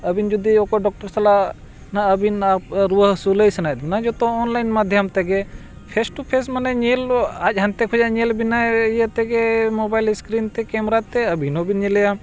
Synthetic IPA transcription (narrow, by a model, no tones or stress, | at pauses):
əbind͡ʒud̪iokoɖɔk̚ʈəɾsɐla | naəbinapɾuɦsuləjsɐnajd̪imnad͡ʒot̪oːnlajnmad̪ʱjamt̪ɛɡe | pʰesʈupʰesmɐneɲelad͡ʒʲɦɐnt̪ekʰud͡ʒaɲelbinaijət̪ɛɡemobajlskɾint̪ekemɾat̪eəbʱinobʱinɲelɛja